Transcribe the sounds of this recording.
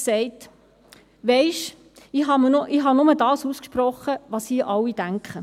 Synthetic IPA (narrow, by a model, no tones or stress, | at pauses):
sɛɪt | ʋɛɪʃ | iɦɑmnʔiːɦɑnʊmədɑːsuːskʃpɾɔχəʋɑːsiːʔɑlːid̥æŋkχə